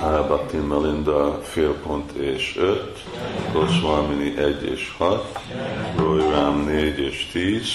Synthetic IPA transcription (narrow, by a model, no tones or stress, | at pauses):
aɛbat̪ːinmɛlind̪ɑfeːlpont̪ʰeːʃøt̪ | kosʋaːminiʔɛɟːḛːʃhɒt̪rojramneːɟeːʃt̪iːz̥